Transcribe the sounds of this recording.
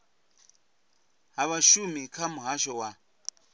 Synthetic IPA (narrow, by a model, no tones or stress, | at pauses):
ɦaβaʃumikʰamuɦaʃɔwa